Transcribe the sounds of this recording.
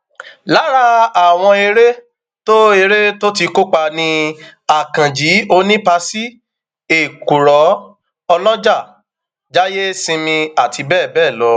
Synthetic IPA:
la˨˦ɾa˧a˨w̃ɔ̃˧e˧ɾe˦ | to˦e˧ɾe˦to˦ti˧ko˦k͡pa˧nĩ˧a˨kã˨d͡ʒi˨˦o˧nĩ˦pa˧si˦ | e˨ku˨ɾɔ˨˦ | ɔ˧lɔ˦d͡ʒa˦˨ | d͡ʒa˦je˦sĩ˧mĩ˧a˨tʰi˧bɛː˦˨bɛː˦˨lɔ˨˦

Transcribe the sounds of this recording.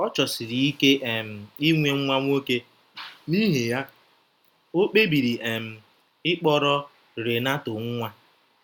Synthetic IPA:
ɔ˦t͡ʃɔ˨si˨ɾi˨i˦ke˦ʔe˨m̩˨i˦ŋʷe˨ŋ̩˦ŋʷa˦ŋʷ˦o˦ke˦ | ni˦ɦe˨ja˦ | o˦k͡pe˦bi˨ɾi˨ʔe˨m̩˨ | ɪ˦k͡pɔ˦ɾɔ˦ | ɾe˨na˦tʊ˨ŋ̩˦ŋʷa˦

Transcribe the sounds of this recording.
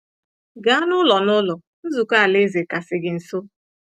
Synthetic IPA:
ɡa˨˦a˦nʊ˦lɔ˨nʊ˦lɔ˨ | n̩˦zu˨ka˦a˨le˦ze˨ka˨sɪ˨ɡɪ˨n̩˨so˦

